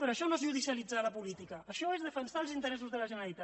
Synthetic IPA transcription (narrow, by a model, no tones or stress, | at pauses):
pəɾoəʃɔnoezʒuðisjəlid͡zaləpulit̪ikəːʃɔezð̞əfənsalˠzint̪əɾɛsuzðələʒənəɾəlit̪a